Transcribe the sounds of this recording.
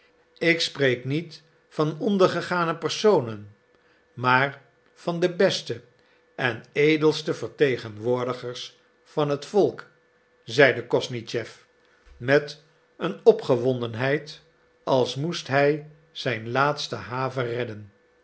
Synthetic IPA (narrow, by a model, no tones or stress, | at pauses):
ɪksprejknit | fɑnɔndəɹχəχaːnəpərsownən | maːɹ | vɑndəbɛstə | ʔɛnejdəlˠstəvəɹtejχənʋʊːɹdəχəɹs | fɑnɦətfɔlˠk | zɛjdəkɔsnit͡ʃɛf | mɛt | ənɔpχəʋɔndənɦɛjt | ɑlˠsmustɦɛj | z̥ɛjnlaːtstəɦaːvərɛdən